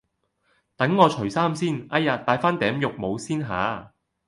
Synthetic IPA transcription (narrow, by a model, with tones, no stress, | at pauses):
t̪ɐ˨˥ŋːɔː˨˧t͡ʃʰɵ˨˩saː˥msiː˥nɐ˥jaː˨t̪ːaː˨˧jfaː˥nt̪ɛː˨˥mjʊ˨k̚mo˨˧wsiː˥nɦa̰ː˨˧